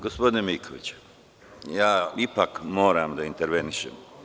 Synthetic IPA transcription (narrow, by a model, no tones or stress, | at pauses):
ɡospo̞d̪inemikʰoʋḭt͡ɕu̥ | jaːipakmo̞ːɾamd̪aint̪eɾʋeniʃem